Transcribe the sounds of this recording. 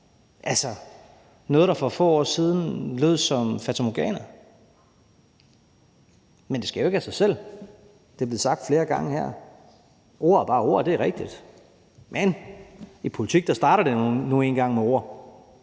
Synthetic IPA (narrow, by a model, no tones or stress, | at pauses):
ʔælsɒ | nɔ̽ːðˠɾ̥ɑ̈fɒ̽fɔ̰ːɒ̰ːsiːð̞ˠn̩løːð̞ˠsɒ̽mfæt͡sʰomoɡ̥ɛ̰ːnɐ | mend̥e̝skɡ̥æjo̝e̝ɡ̥æsɑ̈ɪsel̰ | d̥e̝b̥le̝ð̩ˠsɑ̈ɡ̥̚d̥fle̝ːɐɡ̥ɑ̈ŋəhæ̰ɐ̰ | ʔo̝ɐ̰æɐb̥ɑ̈ːo̝ɐ̰d̥e̝æʁɛɡ̥̚d̥id̥ | mʔen | ipʰo̝lit͡sʰiɡ̥̚d̥ɑ̈sd̥ɑ̈ːɾɐd̥e̝nue̝ːnɡ̥ɑ̈ŋ̰meo̝ɐ̰